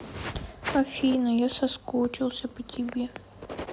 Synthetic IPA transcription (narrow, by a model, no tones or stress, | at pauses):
ɐfʲijnəjasɐskot͡ɕɪlˠsʲəpətʲɪbʲe